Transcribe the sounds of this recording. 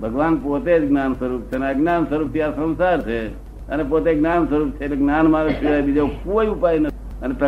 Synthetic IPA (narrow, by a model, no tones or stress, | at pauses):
bʱəɡʋanpot̪ed͡ʒɡnansəɾup̚t͡ʃʰeneaɡnansəɾupt̪iasə̃ñsaɾt͡ʃʰe | ənepot̪eɡnansəɾup̚t͡ʃʰekleɡnanmãləkt͡ʃʰiabid͡ʒakoiupainə | ənet̪ə